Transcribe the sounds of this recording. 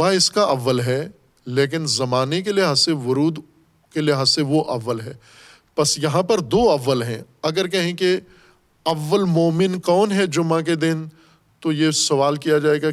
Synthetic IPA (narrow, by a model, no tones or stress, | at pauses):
aɪskaʔɐʋːəlɦɛ | leːk̬ɪnzɐmaːnek̬elieɦɐseʋʊɾuːd̪ | kelieɦɐseʋoʔɐʋːəlɦɛː | pɐsjɐɦãpɐɾd̪oːɐʋːəlɦɛ̰̃ɐɡəɾkɛɦẽke | ɐʋːəlmoːmɪnkɔːnɦɛd͡ʒʊmãk̬ed̪ɪn | t̪ojesɐʋaːlkijad͡ʒaːeːɡa